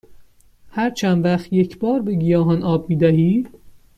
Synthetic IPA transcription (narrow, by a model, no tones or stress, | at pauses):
hæɾt͡ʃʰænd̪væχt̪jecʰbɒːɾbe̞ɡijɒːɦɒnʔɒːb̚miːd̪æhiː